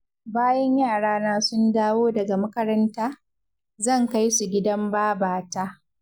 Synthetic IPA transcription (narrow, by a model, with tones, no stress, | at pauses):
baː˦jɐ˦ɲjaː˦˨ɽaː˦naː˦sʊ˦ndaː˦woː˦dɐ˨ɡa˨mɐ˦kɐ˦ɾɐ˦ntaː˦ | zɐ˦˨ŋka˦jsu˨ɡʲɪ˦dɐ˦mbaː˦baː˨taː˦